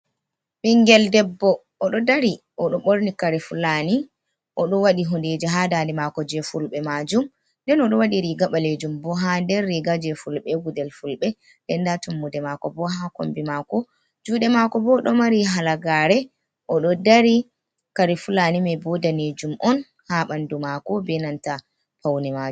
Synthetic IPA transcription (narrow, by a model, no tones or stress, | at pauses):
ɓiŋɡɛldɛbːɔ | ʔɔɗɔdaɾi | ʔɔɗɔɓoɾnikaɾɛfulani | ʔɔɗɔwaɗiɦunded͡ʒiɦadandimakɔd͡ʒɛfulɓɛmad͡ʒum | ndɛnɔɗɔwaɗiɾiɡaɓaled͡ʒumbɔɦandɛɾːiɡad͡ʒɛfulɓɛɡudɛlfulɓɛ | ɗɛndatumːudɛmakɔbɔɦako̰mbimakɔ | d͡ʒuːɗɛmakɔbɔɗɔmaɾiɦalaɡaɾɛ | ʔɔɗɔdaɾi | kaɾifulanimɛbɔdaned͡ʒumʔɔn | haɓandumakɔbɛnanta | pawnimad͡ʒu